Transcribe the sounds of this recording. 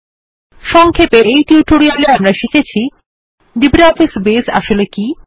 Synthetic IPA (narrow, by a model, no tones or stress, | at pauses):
ʃɔŋkʰepeʔejʈjuːʈoɾialeamɾaʃikʰet͡ɕʰi | ɖibɾaɔfisbesa̰ʃoleki